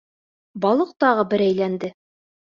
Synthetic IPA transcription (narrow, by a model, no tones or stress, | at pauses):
bɑlˠɤq̚t̪ɑʁɤbɘɾæjlænd̪ɘ